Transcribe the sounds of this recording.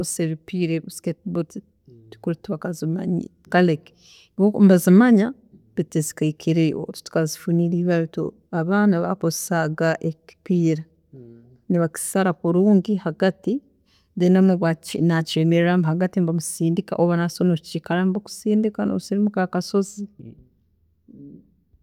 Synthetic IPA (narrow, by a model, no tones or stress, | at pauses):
useβipiɾesketbot | tu̥kuɾituβakazima̰ɲi | kalek | okmbazimaɲa | βitizi̥kaikʰiɾeo̰tu̥tu̥kazifuniɾiːβaɾuto̰ | aβaːnaβa̰kozsaɡaʔeki̥piːɾa | niβaki̥saɾakuɾuːŋɡihaɡati | denamuβwainacemeɾɾamhaɡatimbamusiːndika̰ʔoβanasonot͡ʃikalambaku̥siːndikanosiɾimukakaso̞zi